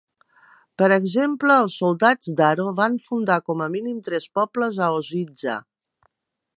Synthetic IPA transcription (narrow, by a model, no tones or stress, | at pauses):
pəɾəɡzempləːlˠsulˠd̪ad͡zd̪aɾoβaɱfund̪akɔməminimt̪ɾɛspɔpləzəozid͡ʒə̰